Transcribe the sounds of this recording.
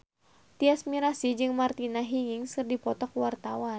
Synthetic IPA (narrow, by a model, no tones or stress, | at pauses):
t̪iasmiɾasid͡ʒɨŋmart̪inaɦiŋiŋsɨrdipɔt̪ɔkwart̪awa